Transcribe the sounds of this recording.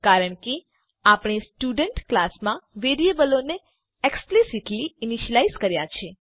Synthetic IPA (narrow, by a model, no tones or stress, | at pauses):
kaɾəɳke | apɳ̃isʈuɖəɳʈklasmãʋeɾiebəlone | eksplisiʈliiniʃəlaizkəɾjat͡ʃʰe